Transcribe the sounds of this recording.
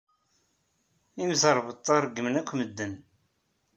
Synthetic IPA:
imzəɾˤvət̪ˤːɑɾˤɡəmnækʷːməd̪ːən

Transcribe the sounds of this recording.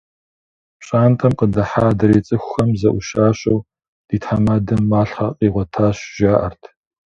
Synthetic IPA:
pɕʼaːntʰʼɐmqədɐħaːdɐɾeːt͡sʼɨxʷxɐmzɐʔʷʊʃaːɕʼɐw | d̥iːtħamaːdɐmːaːɬχaqʼiːʁʷɔtʰaːɕʒ̥aːʔɐrtʰ

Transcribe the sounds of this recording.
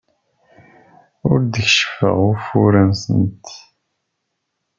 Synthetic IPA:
ʊɾd̪əçʃfə̰ʁʊɾfuɾənsənt̪

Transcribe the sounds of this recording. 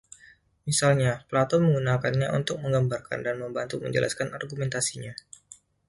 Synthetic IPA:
misalɲaplat̪ɔməŋɡunakanɲaṵnt̪ʊk̚məŋɡambarka̰ndanməmbant̪umə̰ɲd͡ʒə̰lʔa̰skanarɡumɛnt̪asiɲa

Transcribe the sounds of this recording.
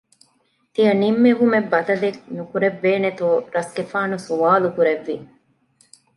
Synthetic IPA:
t̪iɐnimːeʋumebːɐt̪ɐleknukuɾebːeːnet̪uːɾɐsɡefaːnusuaːlukuɾeʋːi

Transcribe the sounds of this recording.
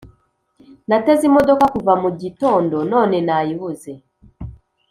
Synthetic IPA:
nate̞zimo̞do̞kakuvamuɟito̞ːndo̞no̞ːne̞najiβuze̞

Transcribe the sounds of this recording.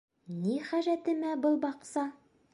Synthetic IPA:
niχæʒæt̪ɘ̆mæbɤlˠbɑqsɑ

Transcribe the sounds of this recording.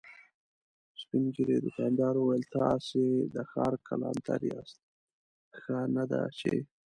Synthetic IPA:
spinɡiɾed̪ʊkɑnd̪ɑɾuwajəlt̪ɑsed̪əxɑɾkʰalɑnt̪ʰaɾjɑst̪̚ | xanad̪a̰t͡ʃe

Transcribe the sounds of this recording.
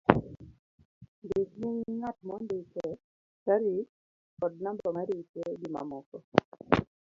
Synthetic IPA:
ndekmuŋŋatmɔndekɛ | t͡ʃaɾi | kɔd̚nambɔmaɾit͡ʃeɡima̰mɔkɔ

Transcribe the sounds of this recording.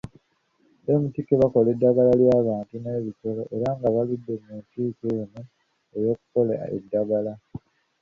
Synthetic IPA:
emutikeβako̞le̞dːaɡalaljaːβaːntuneːβiso̞lo̞ʔeɾaŋɡaβaludːe̞muntiːkenu | ejo̞ːku̥ko̞la̰ḛdːaɡala

